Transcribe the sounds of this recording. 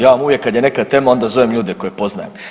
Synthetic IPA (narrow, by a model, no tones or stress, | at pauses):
jaːʋamuvʋjekːad̪jene̞kat̪eːmo̞nd̪azo̞ʋemʎuːd̪eko̞jepo̞zna̰jem